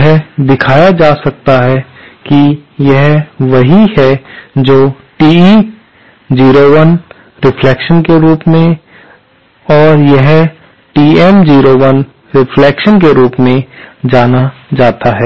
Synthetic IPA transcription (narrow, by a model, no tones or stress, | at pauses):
ɦd̪ɪkʰaːjad͡ʒaːsɐk̚t̪aɦɛ | kijɛɦʋɐɦihɛd͡ʒoː | ʈiː | d͡ʒiːɾoʋən | ɾɪfʰlɛːkʃənkeɾuːpmẽ | ɔːɾjɛɦ | ʈiːɛmd͡ʒiːɾoʋən | ɾɪfʰlɛːkʃənkeɾuːpmẽd͡ʒaːnad͡ʒaːt̪aɦɛː